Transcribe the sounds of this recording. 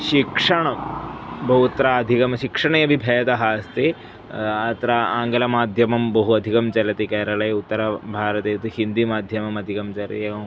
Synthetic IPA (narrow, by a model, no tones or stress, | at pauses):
ʃikʂɐɳɐ | bɐɦut̪ɾaɐd̪ʱikɐmɐʃikʂɐɳɐɐbʱibʱɐjɐt̪ɐɦɐːst̪e | ɐt̪ɐɾaaːŋɡɐlɐmaːd̪ʱjɐmɐmbɐɦuɐd̪ʱikɐmt͡ʃɐɾɐt̪ikɛːɾɐlɐjɐut̪ːɐɾɐbʱaːɾɐt̪ɐjɐt̪ihind̪imaːd̪ʱjɐmɐmɐd̪ʱikɐmt͡ɕɐɾɐ̰t̪eɐ